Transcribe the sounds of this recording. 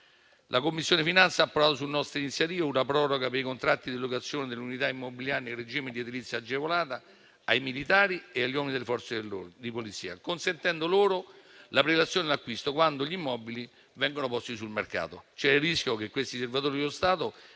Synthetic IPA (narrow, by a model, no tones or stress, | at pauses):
lʔakomːisːjoːnefinant̪sːaapːoɾaːt̪os̬ulnɔst̪ɾainit̪sjat̪iːvaunapɾɔːɾoɡapeɾikont̪ɾat̪ːid̪ilokat̪sːjoːned̪elunit̪̬aimːobiljaːɾinerːed͡ʒiːmed̪iɛd̪ilit̪sːad͡ʒːevolaːt̪a | ajmilit̪aːɾieaʎːɔminid̪elefɔrt̪sed̪ipolit̪sḭːa̰konsent̪ɛnd̪oloːɾolapɾelat̪sːjoːnelakːwist̪okwand̪oʎimːɔːbili | vɛŋɡonopɔst̪isulmerka̰ːt̪ot͡ʃɛrːiskʲjokekːwest̪iservat̪oːɾilost̪aːt̪o